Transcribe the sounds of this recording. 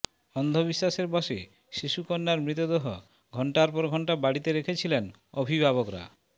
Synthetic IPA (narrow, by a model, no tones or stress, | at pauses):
ɔnd̪ʱobiʃːaʃeɾbɔʃe | ʃiʃukonːaɾmɾit̪̬od̪eɦɔ | ɡʱɔɳʈaɾpɔɾɡʱɔɳʈabaɽit̪eɾekʰet͡ɕʰilen | obʱibʱaβokɾa̰